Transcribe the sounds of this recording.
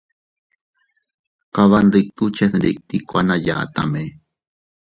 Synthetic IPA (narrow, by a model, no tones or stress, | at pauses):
qɑβandik̚t̪ut͡ʃefdik̚t̪ikʷanaja̰ːt̪a̰me